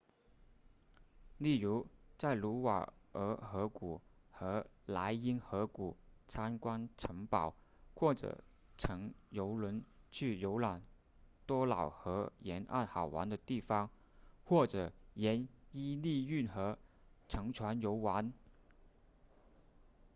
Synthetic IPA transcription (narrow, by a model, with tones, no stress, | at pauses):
li˥˩ɻu˧˥t͡sa˥˩ɪlu˧˥wa̰˨˩ə˧˥xɤ˧˥ku˨˩xɤ˧˥la˧˥ɪi˥nxɤ˧˥ku˨˩t͡sʰa˥nkwa˥nʈ͡ʂʰɤ˧˥ŋpɑ˨˩˦ʊxwɔ˥˩ʈ͡ʂɤ̰˨˩ | ʈ͡ʂʰɤ˧˥ŋjo˧˥ʊlwə˧˥nt͡ɕʰy˥˩jo˧˥ʊla˨˩n | t̪wɔ˥lɑ˨˩ʊxɤ˧˥jɛ˧˥nʔa̰˥˩nxɑ˨˩ʊwa̰˧˥nd̪ə˧t̪i˥˩fɑ˥ŋ | xwɔ˥˩ʈ͡ʂɤ˨˩jɛ˧˥ni˥li˥˧y˥˩nxɤ˧˥ʈ͡ʂʰɤ˧˥ŋʈ͡ʂʰwa˧˥njo˧˥ʊwa˧˥n